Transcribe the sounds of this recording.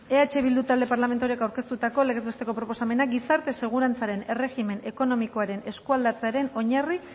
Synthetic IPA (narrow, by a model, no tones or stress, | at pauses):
e̞at͡ʃe̞β̞ild̪ut̪ald̪e̞paɾlame̞nt̪uoɾiekawɾke̞st̪ut̪ako̞le̞ɣezβest̪e̞ko̞pɾo̞po̞same̞naɡisaɾt̪e̞se̞ɣ̞uɾant͡saɾe̞ne̞re̞xime̞ne̞ko̞no̞miko̞aɾe̞ne̞skuald̪at͡seaɾe̞no̞ɲari